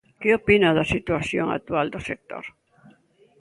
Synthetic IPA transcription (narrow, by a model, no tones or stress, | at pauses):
keopinaðasit̪uaθjoŋa̰t̪uald̪osek̚t̪o̰ɾ